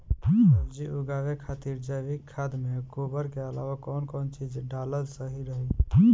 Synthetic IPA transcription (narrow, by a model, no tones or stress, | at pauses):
d͡ʒiʔuɡaːʋekʰaːt̪iɾd͡ʒəjbikkʰːad̪mekobəɾkeəla̰ːʋakɔːnkɔːnt͡ʃid͡ʒɖaləlsəɦiɾəɦi